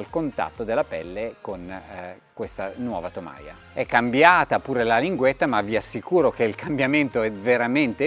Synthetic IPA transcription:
lkont̪a̰t̪ːod̪elːapɛ̰lːekon | kwest̪anwɔ̰ːvat̪oma̰ːja̰ | ɛkːambjaːt̪apuːɾelaliŋɡwet̪ːamavːiasːikuːɾok̟eilkambjament̪oɛveɾament̪e

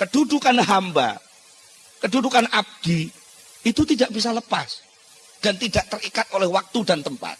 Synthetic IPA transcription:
kədudukanɦamba̰ | kədudukanab̚d̥i | it̪ut̪idaʔbis̬aləpa̰s | d̥ant̪idaʔt̪ərikat̪̚ʔolɛhwak̚t̪udant̪əmpa̰t̪̚

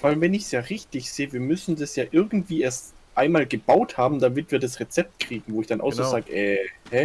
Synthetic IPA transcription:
v̥aɪvɛnɪçsjaːʁɪçtɪçz̥eːəviːɐmʏsn̩dasjaːʔɪɐɡŋ̩tv̥iːeːɐstʔaɪnmaːlɡəb̥aʊthaːbm̩damɪtv̥iːɐdasʁet͡sɛp̚t̚kʁ̥iːɡŋ̩voːɪçd̥anʔa̰ʊxszoːzaːɡəʔɛhɛ

